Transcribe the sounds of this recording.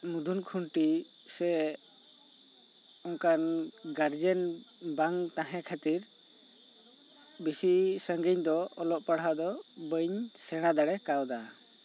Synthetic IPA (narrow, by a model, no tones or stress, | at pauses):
mud̪ʱunkʰuɳʈi | sɛ | ɔŋkanɡaɾd͡ʒɛn | baŋt̪aɦɛ̃kʰat̪iɾ | bisisəŋɡəɲd̪ɔɔlɔʔpaɽɦad̪ɔbəɲsɛɽ̃ad̪aɽɛkawd̪a